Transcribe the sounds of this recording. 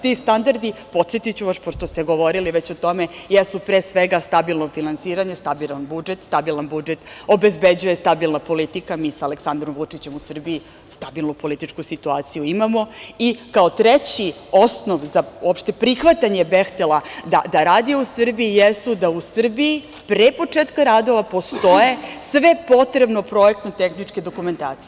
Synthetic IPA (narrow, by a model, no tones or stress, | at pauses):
t̪ist̪and̪aɾd̪ipo̞t̪set̪it͡ɕuʋaʃpoʃt̪o̞st̪e̞ɡoʋo̞ɾiliʋet͡ɕot̪o̞mejesupɾesʋeɡast̪abilˠnofinansiːɾaɲest̪abilˠanbud͡ʒet̪st̪abilˠanbud͡ʒet̪o̞bezbed͡ʑujest̪abilˠnapo̞lit̪ikamiːsaaleksand̪ɾomvut͡ʂit͡ɕe̞musr̩bii | st̪abilˠnupolit̪it͡ʂkusit̪uaːt̪sijuimamo̞ikaot̪ɾet͡ɕi | o̞sno̞ʋzaopʃt̪e̞pɾixʋat̪aɲe̞bext̪elad̪ad̪aɾaːd̪iusr̩biijesud̪ausr̩bii | pɾepo̞t͡ʂeːt̪kaɾad̪o̞ʋapo̞st̪o̞je̞sʋe̞po̞t̪ɾe̞bno̞pɾo̞jek̚t̪not̪e̞xnit͡ʂke̞d̪o̞kume̞nt̪a̰ːt̪sie